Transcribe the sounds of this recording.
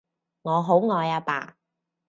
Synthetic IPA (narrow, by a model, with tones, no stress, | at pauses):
ŋɔː˨˧ɦo˨˥wŋɔː˨˧jaː˧pa̰ː˨˧˩